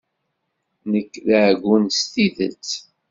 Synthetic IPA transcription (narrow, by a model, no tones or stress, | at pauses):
nəkːðʕɡʷːunst̪iðə̰t͡sː